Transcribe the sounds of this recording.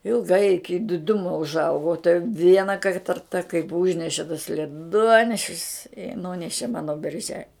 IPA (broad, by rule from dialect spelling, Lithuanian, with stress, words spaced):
ɪlˠɡˈɐɪ ɪˈkʲɪ dʲɪˈdʊmoː ʊʒˈɐʊɡoː oː tɐɪ ˈʋʲiɛnɐ kɐɪ ˈtɐrtɐ kɐɪp ˈuːʒʲnʲɛʃʲɛ tɐs lʲɛˈduɔnʲɛʃʲɪs ɪ ˈnuːnʲɛʃʲɪ ˈmɑːnoː bʲɛrʲˈʒʲɛ